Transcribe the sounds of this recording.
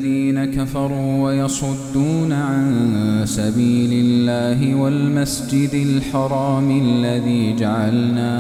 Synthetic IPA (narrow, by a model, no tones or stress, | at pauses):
ðiːnakafɑɾˤuːwajɑsˤʊd̪ːuːnaʕansabiːlɪlːaːɦɪwalmasd͡ʒɪd̪ɪlħɑɾˤɑːmʔlːaðiːd͡ʒaʕalnaː